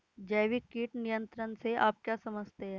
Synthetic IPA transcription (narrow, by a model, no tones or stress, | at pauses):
d͡ʒɛːʋikiːʈnijə̃nt̪ɾənseʔa̰ːp̚kjaːsɐməd͡ʒt̪eɦɛ̃ː